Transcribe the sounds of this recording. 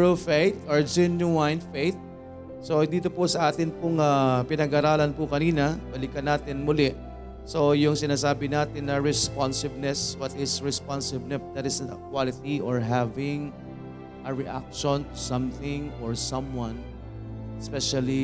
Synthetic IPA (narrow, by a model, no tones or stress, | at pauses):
ɹofejt̪ɔɹd͡ʒɛnjʊajnfejt̪̚ | sod̪iːt̪opʊsɐʔaːt̪ɪnpʊŋapɪnɐɡaːɾaːlɐnpʊkɐniːnɐbɐlɪkɐnaːt̪ɪnmʊlɛʔ | so̞jʊŋsɪnaːsaːbɪnaːt̪ɪnːɐɹɛspansɪb̚nɛswɐt̪ɪsɹɛspansɪb̚nɛb̚d̪ɐt̪ɪsnɐ̰kwalɪt̪iʔɔɹɦavɪŋ | ʔɐɹɛʔa̰k̚ʃɔ̃nt̪ʊsɐ̃mθɪŋɔɹsɐ̃mwɐ̃n | ɛspɛʃɐli